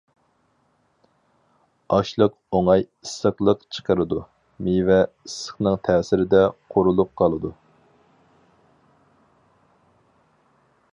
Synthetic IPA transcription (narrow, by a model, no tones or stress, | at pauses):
ɑʃlˠəq | oŋɑj | isːəχlˠəqt͡ʃʰə̥qʰəɾɨd̪u | mivɛisə̥χnɨŋt̪ʰɛːsɪɾɪd̪ɛqʰoɾulˠup̚qʰɑlˠɨd̪u